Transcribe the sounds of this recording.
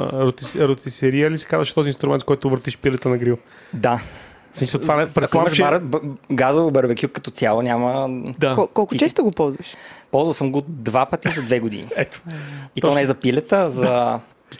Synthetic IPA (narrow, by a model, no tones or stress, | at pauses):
ɾot̪iɾot̪isɛɾiəlisɛ̥kazvəʃt̪ɔzinst̪ɾʊmɛnt̪kɔjt̪ʊvəɾt̪iʃpilɛt̪ənɐɡɾiv | d̪a | smisəlˠt̪vaɛpɾɛt̪kˠamɐʃʃaɾɡazovobəɾbɛkʲjukːɐ̥t̪ɔsʲjalˠonʲaməd̪aɔkɔlˠkʊt͡ʃɛst̪oɡopɔlˠzvɐʃpɔlˠzvɐlˠsəmɡod̪vapət̪izɐd̪vɛɡod̪ḭnḭɛt̪o̥it̪ɔnɛɛzɐpilɛt̪əzɐ